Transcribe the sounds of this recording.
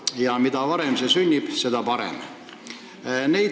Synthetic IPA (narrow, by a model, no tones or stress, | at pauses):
jɑmid̪ɑʋɑɾemsesynʲːib̥se̞d̪̥ɑpɑɾḛm | ne̞i